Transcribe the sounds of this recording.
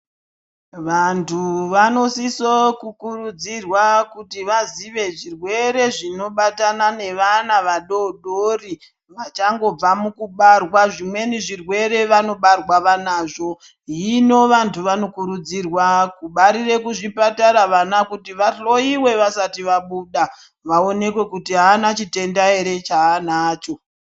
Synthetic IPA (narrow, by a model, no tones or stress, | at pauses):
ʋantʰuʋano̞sisokukurud͡zirwakutiʋaziʋe̞ʐirwe̞ɾe̞ʐino̞ɓatanane̞ʋanaʋaɗo̞ɗori | ʋat͡ʃaŋɡo̞b͡vamukuɓarwaʐimwe̞niʐirwe̞ɾe̞ʋano̞ɓarwaʋanaːʐo̞ | ɦino̞ʋantʰuʋano̞kuɾud͡zirwakuɓaɾire̞kuʐipataɾaʋanakutiʋaɬo̞iwe̞ʋasatiʋaɓuːɗa | ʋao̞ne̞kwe̞kutiɦaːnat͡ʃite̞ndaeɾe̞t͡ʃaːnaːt͡ʃo̞